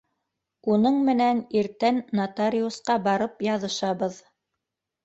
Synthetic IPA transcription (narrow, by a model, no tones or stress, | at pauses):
unɤɴmɘ̆næniɾt̪ænːat̪aɾʲiusqɑbɑɾɤpjɑðɤ̆ʃɑβɤð